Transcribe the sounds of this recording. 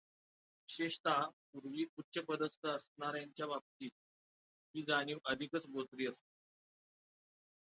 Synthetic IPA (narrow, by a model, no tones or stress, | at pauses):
ɕeɕt̪apuɾʋiːutːɕʰəpəd̪əst̪əəsnaɾjaɲt͡ɕjaʋap̚t̪iːt̪̚ | ɦiːd͡zaɽ̃iːʋʔəd̪ʱikət͡sɡosɾiːəst̪e